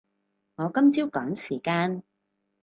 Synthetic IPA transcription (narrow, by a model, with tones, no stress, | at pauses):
ŋɔː˨˧kɐ˥mt͡siː˥wkɔː˨˥ŋsiː˨˩kaː˧n